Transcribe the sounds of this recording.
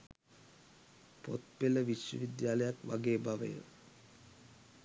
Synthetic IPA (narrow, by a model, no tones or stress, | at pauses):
po̰t̪̚peləʋiʃjə̰ʋid̪jaːləjakʋa̰ɡeːbaʋə̰jə̰